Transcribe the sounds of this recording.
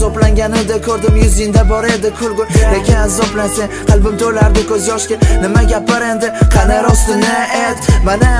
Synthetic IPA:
zɒblaŋɡʲanɪd̪ɪkʰʲɵɾd̪ɪmjʊzɪnd̪abɒɾed̪ɪkʰʊlɡʊlekʲʰɪnazːɒblaseqʰɨlˠbɪmt̪ʰojlaɾd̪ɪkʲʰɵzjɒʃkʲɪnɪmaɡʲapɪɾend̪ɪqʰɑnaɾɒst̪ɪnɪed̪mana

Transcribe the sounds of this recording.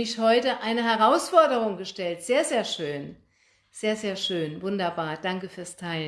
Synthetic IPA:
ɪçhɔʏtəʔaɪnəɦɛʁaʊsfɔɐdəʁ̞ʊŋɡəʃtɛltz̥eːɐzeːɐʃøːn | z̥eːɐzeːɐʃøːnvʊndɐbaːɐd̥aŋkəfyːɐstʰaɪlə

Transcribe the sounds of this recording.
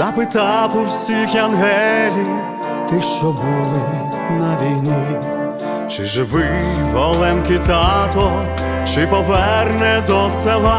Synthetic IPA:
d̪apɪt̪ɑpʊwsʲixɐnɦɛlʲiw | t̪ɪʃt͡ʃɔbulˠɪ | nɐɾʲinʲi | t͡ʃɪʒɪʋɪʋɔlˠɛmkʲɪt̪ɑt̪ɔ | t͡ʃɪpɔʋɛrnɛd̪ɔsɛlˠa

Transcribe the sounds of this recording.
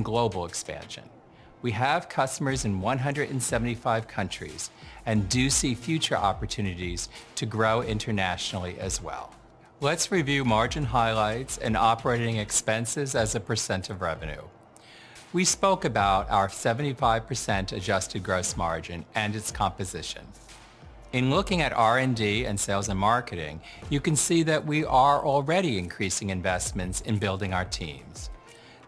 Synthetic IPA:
ɡloʊbl̩ˠəkspæ̰̃nʃɨ̰̃n | wiəv̥kʰʌstəmə˞zɨ̃nwʌ̃nɦʌ̃ndɹɨɾ̃n̩sɛvn̩tifaɪv̥kʰʌ̃nt͡ʃɹ̥ḭz̥ɨ̃ndɨsifjʉt͡ʃə̰˞ʔɑ̰pə˞tʰʉnɨɾiz̥tʰɨɡɹoʊʔɪ̃ntʰə˞næʃnl̩ˠiʔɨzwɛ̰lˠ | lətsɹivjʉmɑɹd͡ʒɨ̃nɦaɪlaɪtsɨ̰̃nɑpə˞eɪɾɪ̃ŋɨkspɛ̃nsɪzɨzɨpʰə˞sɛ̃ntʰʌvɹɛvɨ̃nʉ̰ | wispoʊkɨbaʊɾa̰ʊə˞sɛvɨ̃n̩tifaɪv̥pʰə˞sɛ̃ntɨd͡ʒʌstɨd̚ɡɹoʊsmɑ̰ɹd͡ʒɨ̃nʔɨ̃nɨtskʰɑ̃mpɨzɪʃɨ̰̃n | ɨ̃nlʊkɪ̃ŋɨɾʔɑɹɛ̃ndiɨ̰̃nseɪlˠzɨ̃nmɑɹkɨɾɪ̰̃ŋjɨkɨ̃nsiðɨʔ̚wiʔə˞ʔl̩ˠɹɛɾiɨ̃nkʰɹ̥isɪ̃ŋɨ̃ɱvɛsmɨ̃ntsɨ̃nbɪlˠdɪ̃ŋaʊə˞tʰḭ̃mz̥

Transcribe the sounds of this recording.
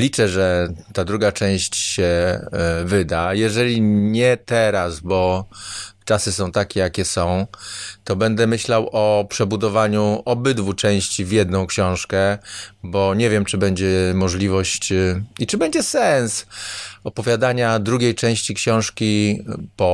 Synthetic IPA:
lʲit͡ʂɛʐɛt̪ad̪ɾuɡat͡ʂɛ̃w̃ɕt͡ɕɕɛ | vɘd̪ajɛʐɛlʲiɲɛt̪ɛɾasbɔ | t͡ʂasɘsɔ̃w̃t̪akʲɛjakʲɛsɔ̃w̃t̪ɔbɛnd̪ɛmɘɕlawɔpʂɛbud̪ɔvaɲuɔbɘd̪vut͡ʂɛ̃w̃ɕt͡ɕivʲjɛd̪nɔ̃w̃kɕɔ̃w̃ʂkɛbɔɲɛvʲjɛmt͡ʂɘbɛɲd͡ʑɛmɔʐlʲivɔɕt͡ɕit͡ʂɘbɛɲd͡ʑɛsɛnsɔpɔvʲjad̪aɲad̪ɾuɡʲejt͡ʂɛ̃w̃ɕt͡ɕikɕɔ̃w̃ʂkʲipɔ

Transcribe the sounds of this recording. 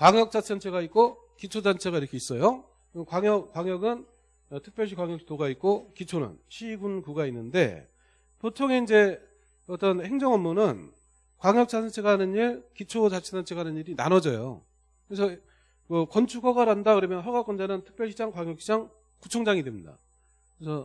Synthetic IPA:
kwaŋjʌk̚t͡ɕ͈at͡ɕʰʌnt͡ɕʰe̞ɡait̚k͈o | kit͡ɕʰod͡ʑant͡ɕʰe̞ɣaiɾʌkʰeis͈ʌjo | ɯkwaŋjʌkwaŋjʌɡɯn | tʰɯ̥k̚p͈jʌɭɕʰikwaŋjʌk̚ɕʰidoɡait̚k͈okit͡ɕʰonɯ̰nɕʰiɡunkuɡainːɯnde̞̰ | potʰoŋe̞ind͡ʑe̞ | ʌt͈ʌnhe̞ŋd͡ʑʌŋʌmːunɯn | kwaŋjʌk̚t͡ɕ͈at͡ɕʰeɡaɦanɯniɾkit͡ɕʰod͡ʑat͡ɕʰedant͡ɕʰeɡaɦanɯniɾina̰nʌd͡ʑʌjo̰ | kɯɾes̬ʰʌ | kɯkʌnt͡ɕʰuɡʰʌɡaɾandakɯɾʌmjʌnɦʌɡak͈ʌnd͡ʑanɯntʰɯ̥k̚p͈jʌɭɕʰid͡ʑaŋkwaŋjʌk̚ɕ͈ʰid͡ʑaŋ | kut͡ɕʰoŋd͡ʑaŋidwe̞mɲida̰ | kɯɾesʰʌ

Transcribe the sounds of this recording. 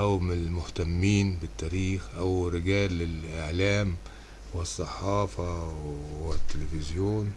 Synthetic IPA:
ʔawmlmʊht̪amːiːnbɪt̪ːæːɾiːxʔawɾɪɡæːlːɪlʔɪʕlæːm | wɪsˤːɑħɑːfɑ | wɪt̪ːɪlɪfɪzjoːn

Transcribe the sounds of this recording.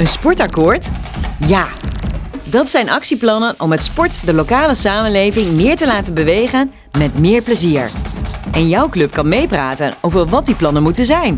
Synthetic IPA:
ənspɔɹtɑkʊːɹtjaː | dɑtsɛjnɑksiplɑnənʔɔmətspɔɹtdəlowkaːləsaːmənlejvɪŋmɪːɹtəlaːtənbəʋejχən | mɛtmɪːɹpləziːɹʔɛnjʌwklɵpkɑnmejpraːtənowvəɹʋɑt̚diplɑnənmutənzɛjn

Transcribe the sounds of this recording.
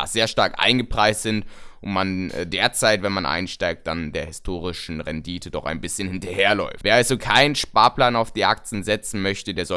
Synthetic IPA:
z̥eːɐʃtaɐkʔa̰ɪnɡəpʁ̥aɪstz̥ɪntʊntmanʔɛ̰deːɐt͡saɪtvɛnmanʔa̰ɪnʃtaɪk̚t̚d̥andeːɐhɪstʰoːʁɪʃn̩ʁɛndiːtʰədɔχa̰ɪnbɪsçənhɪntɐheːɐlɔ̰ʏfveːɐʔalzokʰaɪnənʃpaːɐplaːnaʊfd̥iːʔa̰k̚t͡sn̩zɛt͡sn̩mœçtədeːɐzɔ

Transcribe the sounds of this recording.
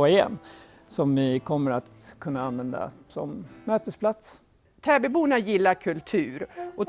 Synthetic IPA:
ɪjɛ̰n | sɔmvɪkʰɔmːəɾat̪kʰɵnːaanvɛnd̪a̰sɔ̰mːøːt̪əspʰlat̪s | t̪ʰɛːbɛbuːnajɪlːaɾkʰɵlt̪ʰʉ̟ːɾʔɔ

